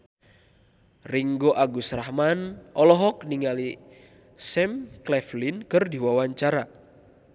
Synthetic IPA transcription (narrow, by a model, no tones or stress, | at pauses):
riŋɡoʔaɡusrahmanʔɔlɔɦɔkniŋali | sɛmklɛflinkɨrdiwawaɲt͡ʃaɾa